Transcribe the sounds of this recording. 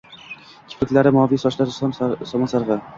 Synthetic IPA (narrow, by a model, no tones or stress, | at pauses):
kʲʰɪ̥pʰɪkʲlaɾɪmɒvijsɒʃlaɾɪsɒmasɑɾʁɨ